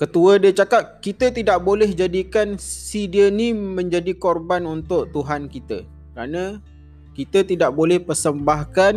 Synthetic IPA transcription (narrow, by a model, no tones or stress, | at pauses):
kət̪uədiət͡ʃakat̚kit̪ət̪idaʔbolɛhd͡ʒadikansidiənimə̃ɲd͡ʒadikorbanunt̪ʊʔt̪uɦankit̪ə̰ | kəɾanã | kit̪ət̪idaʔbolɛhpərsəmbahkan